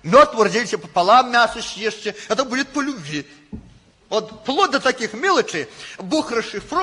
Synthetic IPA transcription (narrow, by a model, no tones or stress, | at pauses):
mʲɔt̪ʋɔrd͡zʲilʲsʲɐpɐpalˠamːʲasɐsʲjɛʂt͡ʃɛɦɛt̪ɐbud͡zʲɛt̪̚pɐlʲubʲvʲi | ɔt̪plˠɔd̪ɐt̪akʲixmʲɛlˠɐt͡ʂɐjbuxrɐʂɨfrɔ